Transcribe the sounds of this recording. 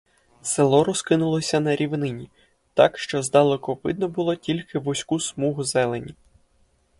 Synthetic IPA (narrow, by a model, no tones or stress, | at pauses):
selˠɔɾɔskɪnʊlˠɔsʲɐnɐɾʲiʋnɪnʲi | t̪ɑkʃt͡ʃɔzd̪ɑlˠekɔʋɪ̰d̪nɔbʊlˠɔtʲilʲkɪʋɔsʲkusmuɦʊzɛlˠenʲi